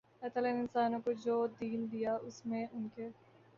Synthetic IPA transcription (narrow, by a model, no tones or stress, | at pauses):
ɛːt̪əlɐɪnɪnsaːnõkod͡ʒoːd̪iːnd̪ijaʊsmẽʊnke